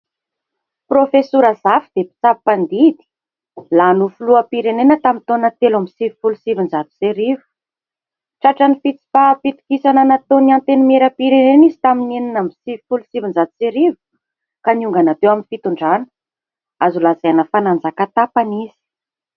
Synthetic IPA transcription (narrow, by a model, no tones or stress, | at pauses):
profesuɾəzafid̪epi̥t͡sappand̪id̪i̥ | lanufuluapiɾenenət̪amint̪onat̪elamisivi̥fulusivinzat̪u̥seɾivu̥ | ʈ͡ʂaʈ͡ʂanifit͡si̥fapit̪u̥kisananat̪oniant̪enimeɾapiɾenenizi̥t̪aminininəmisivifulusivind͡zat̪u̥seɾivu̥ | kaniuŋɡanat̪ewaminfit̪uɳɖ͡ʐanə | azulazenəfanand͡zakat̪apaniz̥i̥